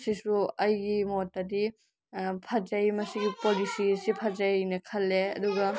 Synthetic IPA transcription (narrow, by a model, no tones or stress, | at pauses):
sisuɐjɡimotːɐdi | pʰɐd͡ʒɐjmɐsiɡipolisiɐsipʰɐd͡ʒɐjnɐkʰɐlːeɐ̰duɡɐ